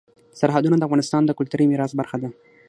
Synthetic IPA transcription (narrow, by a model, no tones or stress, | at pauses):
saɾɦad̪unad̪əafɣɑnɪst̪ɑnd̪əkʊlt̪uɾijmiɾɑsbaɾxad̪a